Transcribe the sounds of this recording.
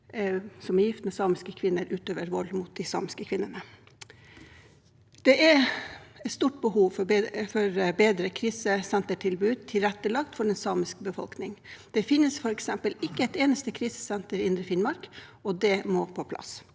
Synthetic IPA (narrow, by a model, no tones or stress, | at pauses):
sɔmæɾjɪft̪mɛsɑːmɪskəkʰʋɪnːəɾʉːt̪øːʋəɾʋɔlmʊt̪̚d̪ɪsɑ̰ːmɪskəkʰʋɪnːəɳə | d̪̥ɛʔɛ | ɛt̪st̪uːʈ̚bəhuːʋfɔfɔɾbeːd̪ɾəkʰɾiːsəsɛnt̪əʈʰɪlbʉːd̪̚t̪ʰɪlɾɛt̪ːəlɑkt̪fɔɖɛnsɑːmɪskbəfɔ̰lknɪŋd̪̥ɛfɪnːəsfɔɾɛksɛmpəlɪkːəɛt̪eːnəst̪əkʰɾiːsə̥sɛnt̪əɾɪnd̪ɾəfɪnmɑɾkɔd̪ɛmoːpʰɔpʰlɑ̰s